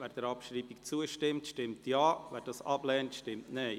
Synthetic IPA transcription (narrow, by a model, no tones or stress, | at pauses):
vɛːɾd̥əɾɑpʃɾiːbikt͡suəʃtɪmtʃtɪmtjɑːʋɛːɾd̥ɑsɑblɛːntʃtɪmtnɛɪ